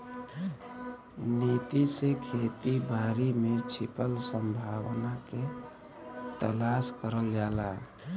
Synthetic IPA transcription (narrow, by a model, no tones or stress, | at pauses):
nit̪isekʰet̪ibʱaɾimet͡ʃʰipəlsəmbʱawnake | t̪əlaskəɾəld͡ʒaːla